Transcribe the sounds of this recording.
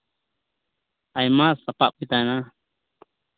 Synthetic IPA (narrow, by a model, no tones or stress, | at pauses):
ajmasapaʔpit̪ana